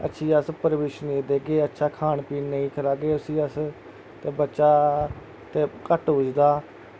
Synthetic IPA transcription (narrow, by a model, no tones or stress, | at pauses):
ə̰tːʃʰiːəspəɾʋeːʃneːd̪eːɡeːətːʃʰaːkʰaːnpiːnnəĩːkʰəɾaːɡeːʊsiːəs | t̪eːbətːʃaː | t̪eːkəʈɦʊd͡ʒd̪aː